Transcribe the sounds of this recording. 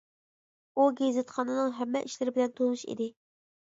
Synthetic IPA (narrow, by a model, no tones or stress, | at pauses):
uɡʲezɨt̪χɑnɨnɨŋɦɛmːɛʔiʃlɪɾɪbɪlɛnt̪ʰolˠnuʃḭd̪ɪ